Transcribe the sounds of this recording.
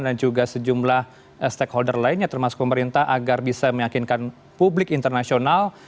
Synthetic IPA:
ndand͡ʒuɡasəd͡ʒumlah | əst̪ɛkholdərlainɲat̪ərmasʊ̥k̚pəməɾint̪aɦʔaɡarbisaməjakinkan | publɪkint̪ərnasional

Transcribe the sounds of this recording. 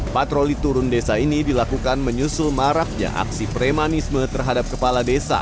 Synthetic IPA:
pat̪ɾolit̪uɾʊndesainidilakukanməɲusʊlmaɾak̚ɲa̰ʔa̰ksipɾemanismət̪ərɦadap̚kəpaladesa̰

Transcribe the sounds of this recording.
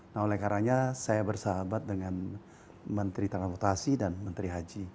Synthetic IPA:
naholɛhkaɾaɲasajabərsəɦabat̪̚dəŋan | mənt̪ɾit̪ɾanspɔrt̪asidanmənt̪ɾiɦad͡ʒi

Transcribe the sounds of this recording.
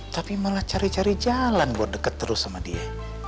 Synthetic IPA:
t̪apimolaht͡ʃaɾit͡ʃaɾid͡ʒalanbuat̪̚dəkət̪ːəɾʊsamadia

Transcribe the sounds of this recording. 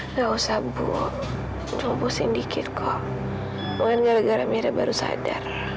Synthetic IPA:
lausabṵ | d͡ʒɔbɔsindikʰɪt̪̚kʰɔ | məŋanɲaɾəɡaɾamiɾabaɾusa̰da̰r

